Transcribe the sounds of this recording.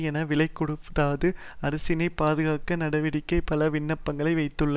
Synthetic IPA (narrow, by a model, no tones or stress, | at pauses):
jɛnɐʋɪlɐɪkːɔɽɯpt̪aːðɯɐɾɐsɪnɐɪpːaːðɯɣaːkːɐnɐɽɐʋɪɽɪkːɐɪpɐlɐʋɪnːɐpːɐŋɡɐɭɐɪʋɐɪt̪ːɯɭːɐ